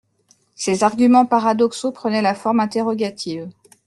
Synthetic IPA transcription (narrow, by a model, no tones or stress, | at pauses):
sezaʁɡʲymɑ̃paʁad̪ɔksopχənɛlafɔʁmɛ̃t̪eʁɔɡat̪ʰiv